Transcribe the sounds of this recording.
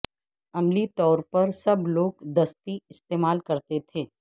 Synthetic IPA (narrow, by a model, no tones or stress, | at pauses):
ɐmlit̪ɔːɾpɐɾsɐbloːɡd̪ɐst̪iɪst̪eːmaːlkɐɾt̪et̪ʰeː